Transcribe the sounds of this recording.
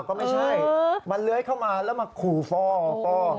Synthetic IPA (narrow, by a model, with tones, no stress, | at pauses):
wkɔː˥˩ma˥˩jt͡ɕʰa˥˩jma˧nlɯ˦˥əjkʰa˥˩wmaː˧lɛː˦˥˩ma˧kʰuː˨˩fɔː˧˩˧fɔː˧˩